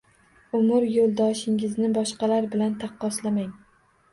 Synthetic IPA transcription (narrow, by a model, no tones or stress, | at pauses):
ʊmʊɾjolˠd̪ɒʃɪŋɪznɪbɒʃqɑlaɾbɪlant̪ʰɑqːɒslamaŋ